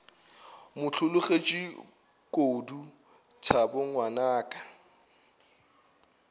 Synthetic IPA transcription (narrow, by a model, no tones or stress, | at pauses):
mʊt͡ɬʰʊlʊχet͡ʃʼɪ | kʼoːdu | tʰabʊŋwanaːkʼa